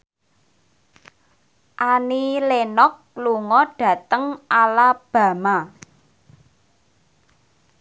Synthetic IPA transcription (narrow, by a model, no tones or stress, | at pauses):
ʔanilenɔk̚ | luŋɔɖ̥ä̤t̪əŋʔalab̥ä̤ma